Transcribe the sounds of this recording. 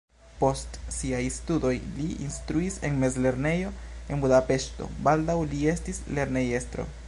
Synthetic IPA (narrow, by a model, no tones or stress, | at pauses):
po̞stsiajstudo̞jliinstɾuise̞nme̞zle̞ɾne̞jo̞e̞nbudape̞ʃto̞̰baldawlie̞stisle̞ɾne̞je̞stɾo̞̰